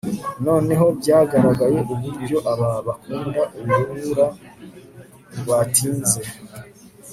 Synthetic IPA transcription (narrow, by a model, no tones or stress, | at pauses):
no̞ːne̞ɦo̞bɟaːɡaɾaɡaje̞ʔuβuɾbjo̞ʔaβaβakuːndaʔuβuuɾa | βatʰiːnze̞